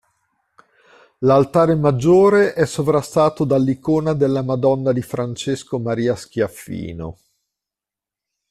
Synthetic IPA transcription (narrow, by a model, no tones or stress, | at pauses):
lalt̪aːɾemad͡ʒːoːɾeʔɛsːovɾast̪aːt̪od̪alːikoːnad̪elːamad̪ɔnːad̪ifɾant͡ʃeskomaɾiːask̟jafːḭːno̰